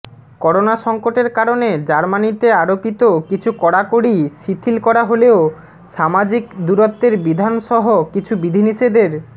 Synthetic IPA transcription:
kɔɾonaʃɔŋkoʈeɾkaɾoned͡ʑaɾmanit̪eaɾopit̪okit͡ɕʰukɔɽakoɽiʃit̪ʰilkɔɾaɦoleo | ʃamad͡ʑikd̪uɾot̪ːeɾbid̪ʱanʃɔɦokit͡ɕʰubid̪ʱiniʃed̪eɾ

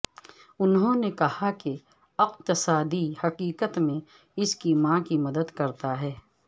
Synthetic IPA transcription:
ʊnɦõnekɐhake | ɐqt̪ɪsaːd̪ihɐqiːqət̪mẽ | ɪskimãːkimɐd̪əd̪kɐɾt̪aɦɛː

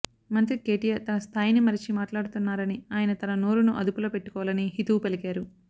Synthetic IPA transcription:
mɐnt̪ɾike̞ːʈijɐt̪ɐnɐst̪ʰaːjinimɐɾit͡ʃimaːʈlaːɽut̪unːaːɾɐniaːjɐnɐt̪ɐnɐnoːɾunuʔɐ̰d̪upuloːpe̞ʈːukɔːʋlɐniɦit̪upelikaːɾu

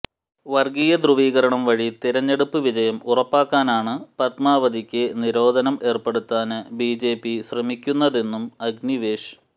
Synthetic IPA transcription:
ʋɐrɡijɐd̪ruʋiːɣɐɾɐɳɐmʋɐɻit̪iɾɐɲːe̞ɽupːɨʋid͡ʑɐjɐmurɐpːaːkːaːnaːɳɨpɐt̪maːʋɐd̪ʱikʲːɨniɾo̞ːd̪ʱɐnɐme̞ːrpe̞ɽut̪ːaːnɨbiːd͡ʑe̞ːpiɕrɐmikʲːunːɐðe̞nːumɐɡniʋeːʂ

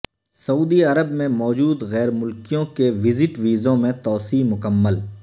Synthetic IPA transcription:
sɐuːd̪iɐɾəbmẽmɔːd͡ʒuːd̪ɣɛːɾmʊlkijõkeʋɪzɪʈʋiːzõmẽt̪ɔːsiːmʊkəmːəl

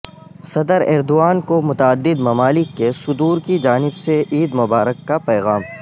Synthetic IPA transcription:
sɐd̪əɾɛːɾd̪oaːnkomʊt̪aːd̪ːɪd̪mɐmaːlɪkːesʊd̪uːɾkid͡ʒaːnɪbseʔiːd̪mʊbaːɾəkːapɛːɣaːm

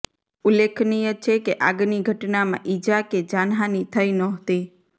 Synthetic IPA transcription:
ulekʰnijət͡ʃʰekeʔaɡniɡʱəʈnamã̰ʔid͡ʒaked͡ʒanɦanit̪ʰəjnɔɦt̪i

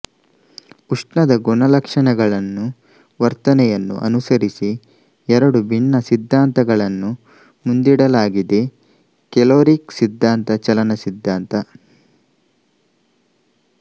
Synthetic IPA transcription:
uʂʈɳɐd̪ɐɡɔɳɐlɐkʂɐɳɐɡɐɭɐnːu | ʋɐɾt̪ɐnɛjɐnːṵʔɐ̰nusɐɾisi | ɛɾɐɽubʱiɳːɐsid̪ʱːaːnt̪ɐɡɐɭɐnːu | mund̪iɽɐlaːɡid̪e | kɛloːɾiksid̪ʱːaːnt̪ɐt͡ʃɐlɐnɐsid̪ʱːaːnt̪ɐ

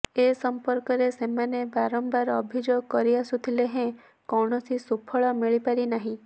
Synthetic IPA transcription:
esɔmpɔɾkɔɾesemanebaɾɔmbaɾɔbʱid͡ʒoɡ̚kɔɾiasut̪ʰileɦẽ | kɔwɳɔsʰisupʰɔɭɔmiɭipaɾinaɦĩ

